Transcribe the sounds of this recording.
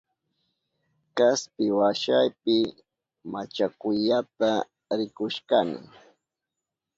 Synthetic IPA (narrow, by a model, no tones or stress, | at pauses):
kaspɪwaʃajpɪ | mat͡ʃakʊʎat̪a | ɾɪkʊʃkanɪ̰